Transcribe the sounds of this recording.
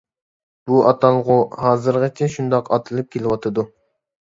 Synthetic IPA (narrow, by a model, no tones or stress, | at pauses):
b̥uɑt̪ʰɑlˠʁʊhɑːzɨɾʁɑt͡ʃʰɛʃund̪ɑqɑt̪ʰɨlˠɨp̚kʲʰelɪwɑt̪ʰɨd̪u